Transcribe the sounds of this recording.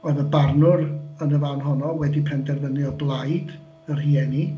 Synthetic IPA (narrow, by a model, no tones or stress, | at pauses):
ɔɨðəbarnʊrənəvanɦɔnɔwɛdipʰɛndɛrvənɨɔblˠajd | ər̥hiɛni